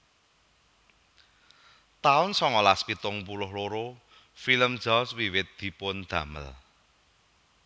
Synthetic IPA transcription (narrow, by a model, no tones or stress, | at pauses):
t̪aʊnsɔŋɔlaspit̪ʊŋpulʊhloɾo | filəmd̥d͡ʒ̥ɔswiwɪt̪̚d̪̥i̤pʊnd̪̥ä̤mə̰l